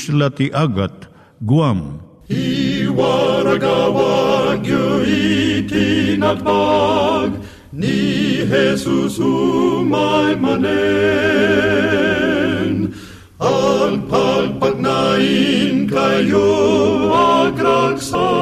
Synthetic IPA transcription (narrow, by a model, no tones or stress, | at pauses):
ʃlɐt̪iʔɐɡɐt̪ | ɡuam | iwaːɾɐɡaːwaːɡjoit̪inɐt̪aːɡ | niɦeːsusumaːjmɐne | n | alpʰalpɐt̪naːinɡʰʱɐjjo | aːɡɾaksa